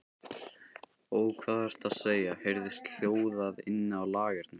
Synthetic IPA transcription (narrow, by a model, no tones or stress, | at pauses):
oːwkʰvaːðɛɾ̥t̪aðseːjahejɾðɪst̪l̥joːwðaðɪ̰nːɪawlaːɣɪɾ̥t̪nɪm